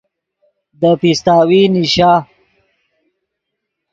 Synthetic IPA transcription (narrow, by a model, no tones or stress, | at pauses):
d̪əpist̪aːwiniʃaː